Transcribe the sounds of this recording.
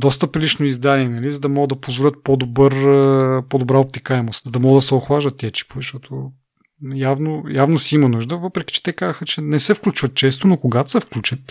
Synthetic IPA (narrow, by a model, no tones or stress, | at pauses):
d̪ɔst̪əpɾilit͡ʃnoizd̪aliɛnɐlizɐd̪ɐmɔɡəd̪ɐpozvolʲət̪̚pɔd̪obəɾpɔd̪obɾaop̚t̪ɛkaɛmost̪zɐd̪ɐmɔɡəd̪ɐsɛoxvaʒd̪ət̪ːɛt͡ʃi̥pozɐʃt̪ɔt̪ʰʊ | javnojavnosiimɐnuʒd̪əvɤpɾɛki̥t͡ʃɛ̥t̪ɛkazəxət͡ʃɛnɛsɛfklʲut͡ʃvət̪̚t͡ʃɛst̪ʊnokoɡat̪sɛfklʲut͡ʃət̪